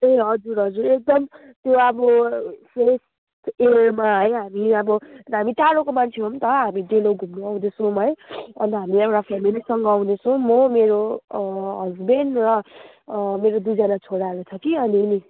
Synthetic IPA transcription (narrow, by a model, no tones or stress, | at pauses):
eɦʌd͡zuɾɦʌd͡zuɾek̚d̪ʌm | t̪joʌbʌses | t̪eɾmaɦʌjɦamiʌbʌɦamiʈaɽokomant͡sʰeɦomt̪ʌɦamiɖeloɡʱumnoaw̃d̪esuɦʌjʌ̰nt̪ʌɦamiekʈapʰemilisʌŋɡʌaw̃d̪esʌ̃mʌmeɾo | ɦʌd͡zbenrʌ | meɾod̪ujd͡zanat͡sʰoɽaʌɾut͡sʰʌkiʌnini